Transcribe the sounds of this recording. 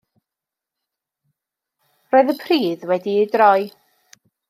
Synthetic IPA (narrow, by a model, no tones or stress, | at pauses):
roːɨðəpʰriːðwɛdiidrɔɨ